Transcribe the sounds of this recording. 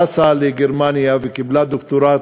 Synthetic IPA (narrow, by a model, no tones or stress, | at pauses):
asaleɡɪɾmaːnijavikɪblad̪ʊkt̪uɾa